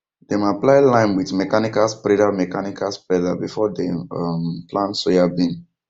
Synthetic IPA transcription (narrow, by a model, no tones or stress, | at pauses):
d̥emaplaɪlãɪ̃nwiθmɛkanikalspɾɛdamɛkanikʰaspɾɛdabifɔdeʌmplãntsojabĩn